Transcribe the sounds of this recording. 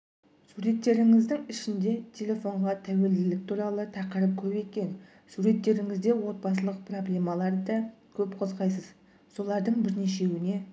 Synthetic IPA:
suɾe̞t̪ːe̞ɾɪŋɪzd̪ɪŋɪʃɪnd̪e̞t̪ʲʰe̞lʲe̞fo̞ɴʁɑt̪ʰæwe̞ld̪ɪlɪk̚t̪ʰuɾɑlˠət̪ʰɑqəɾəp̚kʲʰɵbe̞kʲe̞n | suɾe̞t̪ːe̞ɾɪŋɪzd̪e̞wo̞t̪̚bɑs̬əlˠəq̚pʰro̞blʲe̞mɑlˠɑɾd̪ɑkʲʰɵpqʰo̞zʁɑjsəz | so̞lˠɑɾd̪əɴbɪɾne̞ʃ̬e̞wɪne̞

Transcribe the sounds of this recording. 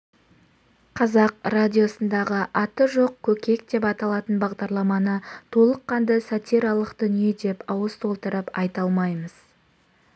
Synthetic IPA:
qʰɑzɑqradʲijo̞sənd̪ɑʁəʔɑt̪əʒo̞q̚kʲʰːɵkʲe̞k̚d̪e̞pɑt̪ɑlˠɑt̪ənbɑʁd̪ɑɾlˠɑmɑnət̪ʰo̞lˠəqːɑnd̪əsɑt̪ijɾɑlˠəqd̪̥ʏnije̞d̪e̞pɑwəst̪ʰo̞lˠt̪əɾəpɑjt̪ɑlˠmɑjməz̥

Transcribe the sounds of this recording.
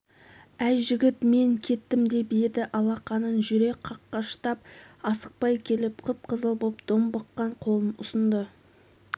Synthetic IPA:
æjʒɪɡʲɪt̪me̞ŋkʲʰe̞t̪ːɪmd̪ebejed̪ɪʔɑlˠɑqɑnənʒʏɾe̞k̚ʲqʰɑqːɑʃə̥t̪ɑp̚ɑsə̥q̚pɑjkʲʰe̞lɪpqʰəp̚qʰəzəlˠbopd̪̥ombəqːɑɴqʰo̞lˠənʊ̰sənd̪ə

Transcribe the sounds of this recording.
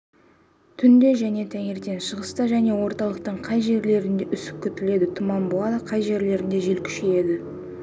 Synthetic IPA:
t̪ʰʏnd̪e̞ʒæne̞t̪ʰæŋe̞ɾt̪e̞nʃəʁəst̪ɑʒæne̞wo̞ɾt̪ɑlˠəq̚t̪əɴqʰɑjʒe̞ɾle̞ɾɪnd̪e̞ʔʏsɪ̥p̚kʲʰːʏt̪ɪle̞d̪ɪt̪ʰʊmɑmbuɑd̪əqʰɑjʒe̞ɾle̞ɾɪnd̪e̞ʒe̞lkʲʰʏ̥ʃeje̞d̪ɪ

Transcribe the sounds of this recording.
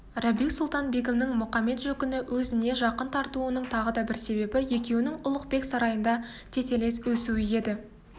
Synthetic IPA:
rɑbisʊlˠt̪ɑnbe̞kʲemnɪŋmʊχɑmːe̞t̪ʒɵkʲʏnɪwɵzɪne̞ʒɑqənt̪ʰɑɾt̪uənəɴt̪ʰɑʁəd̪ɑbɪɾse̞be̞bɪje̞kʲe̞wɪnɪŋʊlˠəq̚pe̞ksɑɾɑjənd̪ɑt̪ʰe̞t̪e̞le̞swɵsuɪje̞d̪ɪ

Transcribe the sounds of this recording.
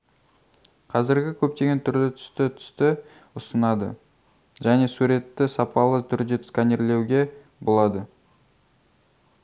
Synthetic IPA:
qʰɑzɪɾɡʲɪkʲʰɵp̚t̪e̞ɡʲe̞nt̪ʰʏɾlɪt̪ʰʏ̥st̪ɪt̪ʰʏ̥st̪ɪ | ʊsənɑd̪ə̰ | ʒæne̞suɾe̞t̪ːɪsɑpɑlˠət̪ʰʏɾd̪eskanʲeɾle̞wɡʲe̞ | bo̞lˠɑd̪ə

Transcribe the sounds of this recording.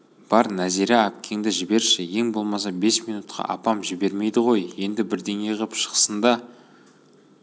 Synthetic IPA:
b̥ɑɾnæziɾɪæp̚kʲʰe̞ŋd̪ɪʒɪbe̞ɾʃɪje̞ŋbo̞lˠmɑs̬ɑbe̞smijnut̪qʰɑ̰ʔɑ̰pɑmʒɪbe̞ɾme̞jd̪ɪʁo̞jje̞nd̪ɪbɪɾd̪e̞ŋeʁəpʃə̥qə̥sənd̪ɑ

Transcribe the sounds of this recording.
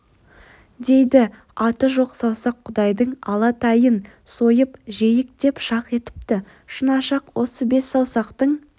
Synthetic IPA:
d̪e̞jd̪ɪ | ɑt̪əʒo̞qsɑwsɑqʰːʊd̪ɑjd̪əɴɑlˠɑt̪ɑjən | so̞jəpʒe̞jɪk̚t̪e̞pʃɑqe̞t̪ɪ̥p̚t̪ɪ | ʃənɑʃɑqwo̞səbe̞sːɑwsɑqt̪əɴ

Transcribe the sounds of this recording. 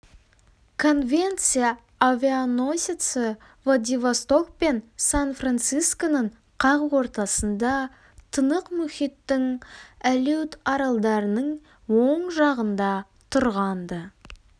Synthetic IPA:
kʰo̞nvʲe̞nt̪sɨjaː | vʲianosʲit̪sə | vlˠad̪ivast̪o̞k̚pe̞nsanfrant̪sijskonəɴ | qʰɑʁəwo̞ɾt̪ɑsənd̪ɑ | t̪ʰənəqmʏχit̪ːɪŋælut̪ɑɾɑlˠd̪ɑɾənəɴ | woɴʒɑʁənd̪ɑ | t̪ʰʊɾʁɑnd̪ə

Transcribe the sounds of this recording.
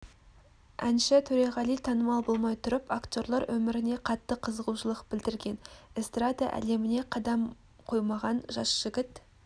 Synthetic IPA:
ʔænʃɪt̪ʰɵɾɑʁɑlˠijt̪ʰɑnəmɑlˠbo̞lˠmɑjt̪ʰʊɾəpakt̪ʲo̞rlˠɑɾwʔɵmɪɾɪne̞qʰɑt̪ːəqʰəzəʁuʃəlˠəqb̥ɪld̪ɪɾɡʲe̞nɪst̪rad̪a̰ʔæ̰le̞mɪne̞qʰɑd̪ɑm | qʰo̞jmɑʁɑnʒɑsʒ̥ɪɡʲɪt̪

